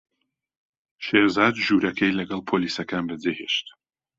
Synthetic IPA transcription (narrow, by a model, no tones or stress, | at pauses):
ʃeɾzaːt̪ʒuɾɐkʰɛjlɐɡɐlˠpʰolisɐkʰaːnbəd͡zeheʃt̪